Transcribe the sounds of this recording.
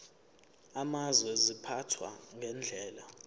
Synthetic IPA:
amazwɛzipʰatʰwa̰ŋɡʱɛnd͡ɮʱɛːla

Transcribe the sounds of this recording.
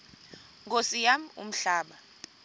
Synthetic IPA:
ŋɡosijamṵm̩ɬaːɓa

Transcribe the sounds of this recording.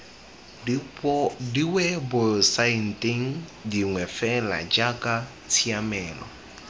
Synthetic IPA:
diwɛbʊsain̩tʼɪŋ̩diŋwɛfɛla̰d͡ʒakʼa | t͡sʰiamɛːlɔ̰

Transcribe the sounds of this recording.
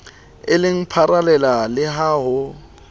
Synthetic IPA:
ɪlɪŋ̩pʰaɾalɛlalɪɦaːɦʊ

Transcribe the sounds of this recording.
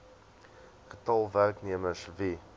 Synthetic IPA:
χətɑlˠværkniəməsvi

